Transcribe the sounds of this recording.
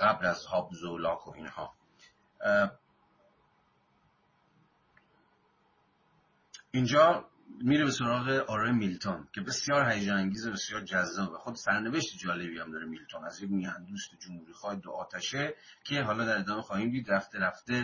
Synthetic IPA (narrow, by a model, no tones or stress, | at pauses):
ɡæblæzhɒːbzolɒːkʰoʔiːnhɒ̰ː | ind͡ʒɒː | miːɾebe̞soɾɒːɣe̞ʔɒɾɒːjmilt̪ʰonkʰe̞be̞sjɒːɾɦæjeːd͡ʒeæŋɟiːzobe̞sjɒːɾd͡ʒæzːɒːvæxod̪sæɾneveʃt̪ed͡ʒɒːle̞biːhæmd̪ɒːɾemilt̪ʰonæzjekmihænd̪uːst̪ed͡ʒomhuːɾiːxɒːhed̪oʔɒːt̪ʰæʃe | cʰe̞ɦɒːlɒːd̪æɾe̞d̪ɒːmexɒːhiːmd̪iːd̪ɾæft̪eɾæft̪e